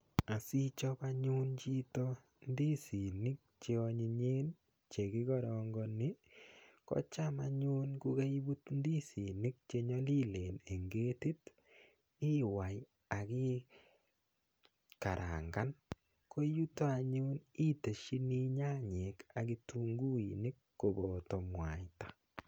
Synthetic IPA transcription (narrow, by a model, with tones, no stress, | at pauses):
a˨si˦t͡ʃɔ˦ba˦ɲʊ˦nt͡ʃi˦tɔ˦ | ndi˦si˨nɪ˦k̚t͡ʃe˦ɔ˨ɲɪ˨ɲe˦n | t͡ʃe˨kɪ˦ɡɔ˦ɾɔ˨ŋɡɔ˦nɪ˦kɔ̰˦t͡ʃa˦ma˨ɲʊ˦nku˦ke˦i˦bu˦tndi˦si˨nɪ˦k̚t͡ʃe˦ɲɔ˦li˦le˨ne˨ŋɡe˦ti˦t | ɪ˦wa˨j | a˨kɪ˦ | ka˨ɾʔa̰˨ŋɡa˦n | kʰo˦ju˦to˦a˨ɲu˦ni˦te˨ʃi˦ni˦ɲa˦ɲe˨ka˨ki˦tu˦ŋɡu˦i˨nɪ˦kːo˨bɔ˨tɔ˨mwa̰˨jtḁ